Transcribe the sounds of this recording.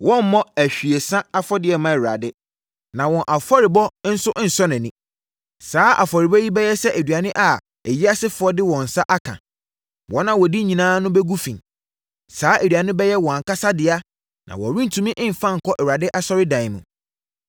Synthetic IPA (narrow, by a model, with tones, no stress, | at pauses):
wɔ̃˦m˦mɔ̃˦æ˨ɕᶣi˨e˨sã˦a˦fɔ˦dɪ˨˦ɛ˨mã˦ɛ˨a̰˨dɪ˦ | nã˨wɔ̃˨ʔa˨fɔ˦ɾɪ˨bɔ˦n̩˦sʊ˦ʔn̩˨sɔ˦nɪ̃˨nĩ˦ | saː˦a̰˨fɔ˨ɾɪ˨bɛ˦ji˦bɛ˦jɛ˦sɛ˦ʔæ˨dɥa˨nɪ̃˦ʔa˨ | ɛ˨ji˦a˦sɪ˦fʊ˨ɔ˦dɪ˦wɔ̃˨n̩˨sa˦ʔa˦kʰã̰˨ | wɔ̃˨˦nã˦wɔ˨di˦ɲĩ˨nãː˦nʊ̃˦bɛ˦ɡu˦fĩ˨ | saː˨˦ʔe˨dɥa˨nɪ̃˦bɛ˦jɛ˦wɔ̃˨a˨ka˦sa˦dɪ˨a˦ | nã̰˨wɔ̰˨ɾĩ˦n˦tʰũ˨˦mĩ˦ʔɪ̃˦m̩˨fã˦ŋ̩˨kʰɔ˦ʔɛ˨wa˨dɪ˦ʔa˦sɔ˦ɾɪ˦dã˨ɪ˨mũ˨